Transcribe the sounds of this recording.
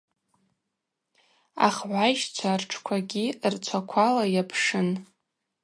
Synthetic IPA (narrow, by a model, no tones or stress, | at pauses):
a̰χʕʷajʃt͡sʷʰarʈ͡ʂʰkʷʰaɡʲirt͡sʷʰakʷʰalajapʰʂɨn